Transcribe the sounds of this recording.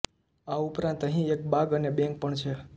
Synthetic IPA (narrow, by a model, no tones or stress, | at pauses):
aupɾãnt̪əɦĩek̚baɡənebɛ̃ŋk̚pəɳt͡ʃʰe